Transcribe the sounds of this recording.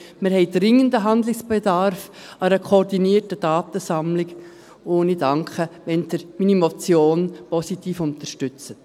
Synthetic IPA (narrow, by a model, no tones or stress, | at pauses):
mɪɾhɛɪd̥ɾɪŋəndəɦɑnd̪lɪksb̥ɛdɑɾf | ɑɾəkʰoɾdiniːrtədɑːt̪əsɑmlɪk | oːnidɑŋkχəʋɛnt̪əɾmiːnimot͡sjoːnpɔsit̪iːfʊnt̪ərʃtʏt͡sə